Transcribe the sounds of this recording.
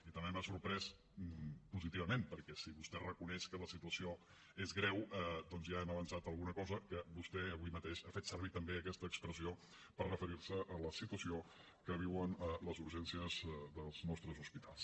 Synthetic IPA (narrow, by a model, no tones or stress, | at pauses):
it̪əmbemasuɾpɾɛs | puzit̪iβəmempəɾkɛsiβust̪ɛrəkunɛʃkələsit̪uəsio | ezɣɾɛwəd̪ɔnzjaɛməβənsat̪əlˠɣunəkɔzəkəβust̪ɛəβimət̪eʃafet̪səɾβ̞it̪əmbeəkɛst̪əːkspɾəzio | pərrəfəɾiɾsəʔələsit̪uəsio | kəβ̞iwənələzuɾʒɛnsiəzðəlˠznɔst̪ɾəzuspit̪ʰa̰lˠs